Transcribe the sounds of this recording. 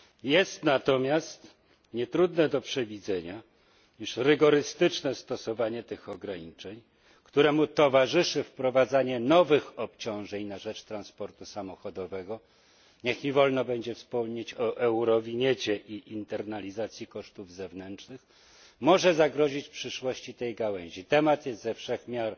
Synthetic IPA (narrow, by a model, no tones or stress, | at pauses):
jɛst̪nat̪ɔmʲjast̪ | ɲɛt̪ɾud̪nɛd̪ɔpʂɛvʲid̪zɛɲa | iʂɾɘɡɔɾɘst̪ɘt͡ʂnɛst̪ɔsɔvaɲɛt̪ɘxɔɡɾaɲit͡ʂɛɲ | kt̪uɾɛmut̪ɔvaʐɘʂɘfpɾɔvad̪zaɲɛnɔvɘxɔp̚t͡ɕɔ̃w̃ʐɛɲnaʐɛt͡ʂt̪ɾanspɔɾt̪usamɔxɔd̪ɔvɛɡɔ | ɲɛxivɔlnɔbɛɲd͡ʑɛfspɔmɲet͡ɕɔʔɛwɾɔvʲiɲɛt͡ɕɛʔiʔint̪ɛɾnalʲizat̪sʲjikɔʂt̪uvzɛvnɛnt͡ʂnɘx | mɔʐɛzaɡɾɔʑit͡ɕpʂɘʂwɔɕt͡ɕit̪ɛjɡawɛɲ̃ʑit̪ɛmat̪jɛst̪zɛfʂɛxmʲjaɾ